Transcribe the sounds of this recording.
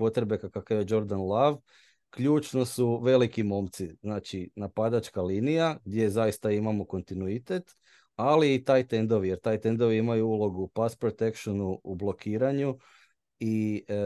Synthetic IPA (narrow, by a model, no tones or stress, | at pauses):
po̞t̪ɾebekakakajed͡ʒo̞ɾd̪anlˠaʋ | kʎuːt͡ʃno̞suʋe̞likimo̞mt̪siznaːt͡ʃinapad̪at͡ʃkaliːnijaɡ̚d̪ʲje̞zajist̪aimamo̞ko̞nt̪inuit̪et̪ | aliːt̪aːjt̪e̞nd̪o̞ʋije̞ɾt̪aːjt̪e̞nd̪o̞ʋiimajuulo̞ɡupaspɾot̪e̞kʃonuublo̞kʰiːɾaɲu | i